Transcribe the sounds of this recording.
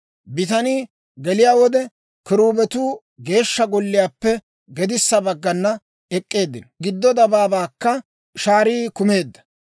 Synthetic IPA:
bɪt̪ɐniː | ɡɛlɪjaːwɔd̪ɛ | kɪɾuːbɛt̪uː | ɡe̞ːʃːɐɡɔlːɪjaːpːɛ | ɡɛd̪ɪsːɐbɐɡːɐnːɐ | ɛkʼːe̞ːd̪ːɪnɡɪd̪ːɔd̪ɐbaːbaːkːɐ | ʃaːɾiːkʊme̞ːd̪ːɐ̥

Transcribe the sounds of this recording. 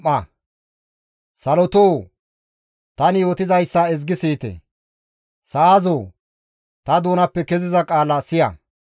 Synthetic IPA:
ɐ | sɐlɔt̪oː | t̪ɐnɪjo̞ːt̪ɪzɐjsːɐɛzɡɪsiːt̪ɛ̰ | sazoː | t̪ɐd̪oːnɐpːɛkɛzɪzɐkʼaːlɐsɪjɐ̰

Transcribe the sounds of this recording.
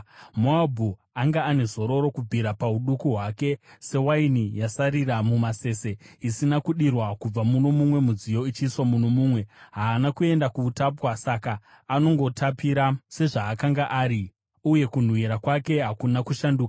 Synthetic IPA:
moabʱu | aŋɡaːne̞zo̞ɾo̞ɾo̞kub͡vʱiɾapauɗukuɦwaːke̞se̞wainijasaɾiramumase̞ːse̞isinakuɗirwakub͡vamuno̞mumwe̞mud͡zijo̞it͡ʃiːswamunomuːmwe̞ɦaːnakue̞ndakuːtapwasakaː | no̞ŋɡo̞tʰapiɾase̞ʐaːkaŋɡaʔaːɾi | uje̞kun̤wiɾakwake̞ɦakunakuʃanduːkḁ

